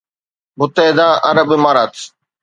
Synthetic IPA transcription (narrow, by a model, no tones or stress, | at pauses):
mʊt̪eːɦd̪aːʔɐ̰ɾəbɪmaːɾaːt̪